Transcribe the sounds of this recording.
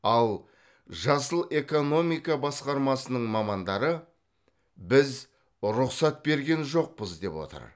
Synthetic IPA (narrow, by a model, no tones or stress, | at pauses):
ɑlˠ | ʒɑsəlˠe̞ko̞no̞mijkɑbɑsqɑɾmɑsənəɴmɑmɑnd̪ɑɾə | bɪz | ɾʊqsɑt̪̚be̞ɾɡʲe̞nʒo̞q̚pəzd̪e̞̰pwo̞̰t̪ə̰ɾ